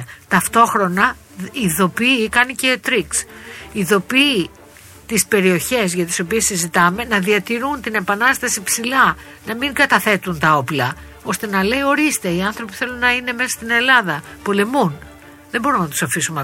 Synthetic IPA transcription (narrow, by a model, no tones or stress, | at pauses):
t̪ɐft̪o̞xɾo̞nɐ | iðo̞piːkɐnice̞ːt̪ɾiksiðo̞piː | t̪ispe̞ɾio̞çe̞sʝɐt̪i̥so̞pie̞sizit̪ɐme̞nɐðiɐt̪iɾunt̪ine̞pɐnɐst̪ɐsipsilɐ | nɐmiŋɡɐt̪ɐθe̞t̪unt̪ɐo̞plɐ | o̞st̪e̞nɐle̞io̞ɾist̪e̞iɐnθɾo̞pi̥θe̞lunːɐine̞me̞sɐ̥st̪ine̞lɐðɐpo̞le̞mun | ðe̞bo̞ɾumnɐt̪u̥sɐfisume